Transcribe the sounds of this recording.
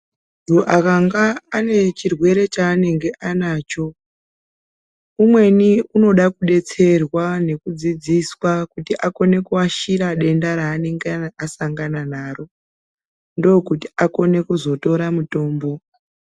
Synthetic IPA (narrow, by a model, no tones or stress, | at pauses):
duʔakaŋɡaːne̞t͡ʃirwe̞ɾe̞t͡ʃaːne̞ŋɡe̞ʔanaːt͡ʃo̞ | umwe̞niuno̞ɗakuɗe̞t͡se̞rwane̞kud͡zid͡ziswakutiʔako̞ne̞kuaʃiɾaɗe̞ndaɾaːne̞ŋɡeasaŋɡananaːro̞ | ndo̞kutiʔako̞ne̞kuzo̞to̞ɾamuto̞ːmbo̞